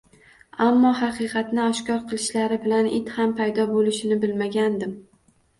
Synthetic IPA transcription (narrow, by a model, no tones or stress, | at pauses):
amːɒhɑqʰɨqʰɑt̪nɪɒʃkʲɒɾqʰɨlˠɪʃlaɾɪbɪlanɪt̪hampʰajd̪ɒbolɪʃɪnɪbɪlmaɡʲand̪ɪm